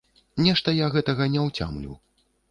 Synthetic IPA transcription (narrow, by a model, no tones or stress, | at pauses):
nʲɛʂt̪ɐjaɣɛt̪ɐɣɐnʲɛwt͡sʲa̰mlʲṵ